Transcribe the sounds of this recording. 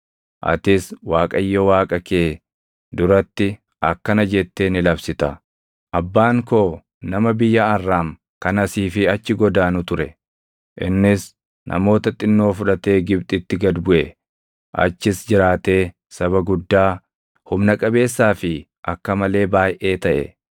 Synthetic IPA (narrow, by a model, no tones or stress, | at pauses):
ʔɐ̰t̪ɪswaːkʼɐjːowaːkʼɐkeː | d̪ʊɾɐt̪ːɪ | ʔɐ̰kːɐnɐd͡ʒɛt̪ːe̞ːnɪlɐbsɪt̪ɐ | ʔɐbːaːŋko̞ː | nɐmɐbɪjːɐɐrːaːŋ | kɐnɐsiːfɪɐt͡ʃːɪɡɔd̪aːnʊt̪ʊɾɛ | ʔɪ̰nːɪs | nʔɐ̰mo̞ːt̪ɐt̪ʼɪnːo̞ːfʊᶑɐt̪e̞ːɡɪbt̪ʼɪt̪ːɪɡɐd̪bʊʔɛ | ʔɐ̰t͡ʃːɪsd͡ʒɪɾaːt̪e̞ː | sɐβɐɡʊd̪ːaː | hʊmnɐkʼɐbe̞ːsːaːfɪ | ʔɐkːɐmɐle̞ːbaːjʔe̞ːt̪ɐʔɛ̰